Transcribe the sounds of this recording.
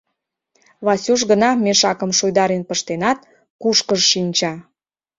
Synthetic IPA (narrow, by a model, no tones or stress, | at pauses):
βɑsʲuʒɡənɑmeʃɑkəmʃujd̪ɑɾenpəʃt̪enɑt̪̚ | kuʃkəʒʃinʲt͡ɕɑ